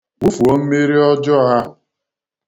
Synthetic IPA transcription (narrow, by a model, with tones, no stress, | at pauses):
wu˦fu˨o˦m̩˦me˦ɾi˦ɔ˦d͡ʒɔ˦a˦ɦʊ˨